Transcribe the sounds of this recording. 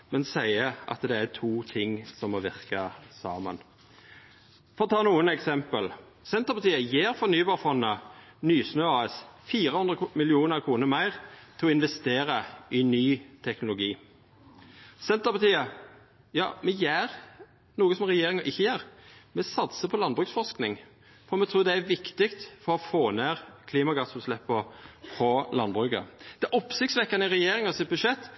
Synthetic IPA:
mɛnsæɪəʔɑ̰t̪d̪ɛæt̪ʰuːt̪ʰɪŋsɔmːɔʋɪʁkɑsɑ̰ːmə̰n | foːʁt̪ʰɑːnuːənɛksɛmpəl | sɛnt̪əpʰɑt̪iːəjeːɾfɔʁnyːbɑːʁfɔnːənyːsnøːɑːɛsfiːɾəhʉnd̪ʁəmɪlɪuːnəɾkʰɾuːnəʁmæɪʁt̪ʰɪlɔɪnʋɛst̪eːɾəɪnyːt̪ʰɛknʊlʊɡiː | sɛnt̪əpɑt̪ʰiːɑ | jɑ̰ːmɛjæːɾ | nuːɡəsɔmʁɛjeːɾɪŋɑʔɪçːəjæːɾmɛsɑt̪səpʰɔlɑnbʁʉːksfɔʂknɪŋ | fɔɾmɛt̪ʰɾuːd̪ɛæɾʋɪkt̪ɪkt̪fɔɾɔfoːneːʁkʰliːmɑɡɑsʉslɛpːəfɾɔlɑnbʁʉːkə̰d̪̥ɛʔɔpsɪkt̪sʋɛkːɑnəɪɾɛjeːɾɪŋɑsɪt̪̚bʉʃɛt̪ː

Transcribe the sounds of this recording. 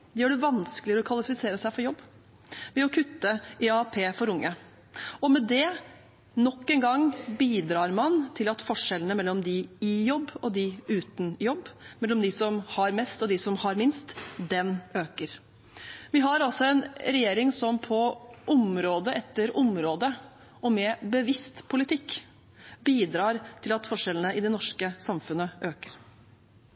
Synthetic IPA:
jøːɖɛʋɑnskəlɪɾɔkʰʋɑlɪfɪseːɾəsæɪfɔɾjɔbː | ʋɛɔkʰʉt̪ːəʔɪɑpʰeːfɔɾʊŋːə | ɔmɛd̪ɛ | nɔkːɛnɡɑŋːbiːd̪ɾɑːɾmɑnt̪ʰɪlɑt̪fɔʂɛlənəmɛlːɔmd̪ɪɪjɔbːɔd̪ɪʉːt̪n̩jɔbːmɛlːɔmd̪ɪsɔmhɑɾmɛst̪ɔd̪ɪsɔmhɑɾmɪnst̪d̪ɛnøːkəɾ | ʋɪɦɑɾɑlsɔɛnɾɛjeːɾɪŋsɔmpʰɔʔʊmɾoːd̪əʔɛt̪ːəɾʊmɾoːd̪ə | ɔmɛbəʋɪst̪pʰʊlɪt̪ʰɪkː | biːd̪ɾɑːɾt̪ʰɪlɑt̪fɔʂɛlənəɪd̪ɛnɔʂkəsɑmfʉnəʔøːkə̥ɾ

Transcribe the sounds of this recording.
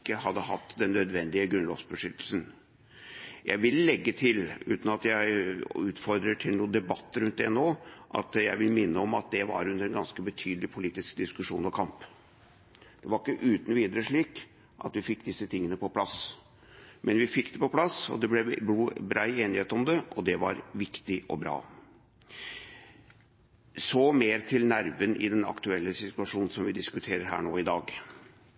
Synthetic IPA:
kːəhɑd̪ːəɦɑt̪ːd̪ɛnːœd̪ʋɛnd̪ɪəɡɾʉnɔ̰ʋsbəʂʏt̪ːəl̩sən | jæ̰ɪʋɪlːɛɡːət̪ʰɪlʉ̰ːt̪n̩ɑt̪jæɪʉːt̪fɔɾd̪ɾəʈʰɪlnuːənd̪ɛbɑt̪ːəɾʉnt̪̚d̪ɛnoːʔɑ̰t̪jæɪʋɪlmɪnːəɔmɑt̪̚d̪ɛʋɑ̰ɾʉnd̪əɾɛnɡɑnskəbət̪ʰyːd̪lɪpʰʊliːt̪ɪskd̪ɪskʉʂṵːnɔkʰɑmp | d̪̥ɛʋɑɾɪkːəʔʉːt̪nɔʋiːd̪əɾəʂɭiːk | ʔɑ̰t̪ʋɪfɪkːd̪ɪsːət̪ʰɪŋːənəpɔpʰlɑs | mɛnʋɪfɪkːd̪ɛpɔpʰlɑsɔ̰d̪ɛblɛbuːbɾɑɪeːnɪheːt̪ɔmd̪ɛɔd̪ɛʋɑ̰ɾʋɪkt̪ɪʔɔ̰bɾɑ̰ː | soːmeːɾt̪ʰɪlnæɾʋənʔɪ̰d̪ɛnɑ̰kt̪ʉɛlːəsɪt̪ʉɑʂuːnn̩sɔmʋɪd̪ɪskʉt̪ʰeːɾəɾɦæ̰ːɳoːɪd̪ɑːɡ

